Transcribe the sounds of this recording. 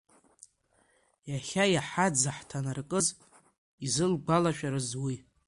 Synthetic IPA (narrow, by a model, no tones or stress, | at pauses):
jaχʲajaħad͡zaħtʰanarkʼɨz | izɨlɡʷalaʃᶣaɾazwi